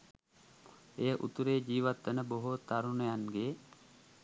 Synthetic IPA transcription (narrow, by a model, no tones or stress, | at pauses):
ejəʔut̪uɾeːd͡ʒiːʋat̪ːənəboɦot̪aɾunəjanɡeː